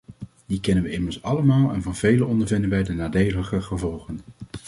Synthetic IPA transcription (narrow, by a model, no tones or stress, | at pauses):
dikɛnənʋəɪməɹsɑləmaːlˠɛnvɑnvejlənɔndəɹvɪndənʋɛjdənaːdejləkəχəvɔlˠχən